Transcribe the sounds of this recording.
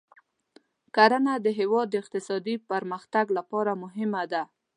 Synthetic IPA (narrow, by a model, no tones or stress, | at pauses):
kaɾanad̪əɦewɑd̪̚ːəɪq̚t̪ɪsɑd̪ipaɾməxt̪aɡlapɑɾamʊɦɪmad̪a